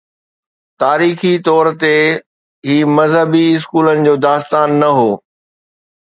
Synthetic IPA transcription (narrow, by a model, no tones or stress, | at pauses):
t̪aːɾiːxit̪ɔːɾt̪e | ɦiːmɐzɦəbiɪs̬kuːlənɪ̆d͡ʑoːd̪aːst̪aːnːɐɦoː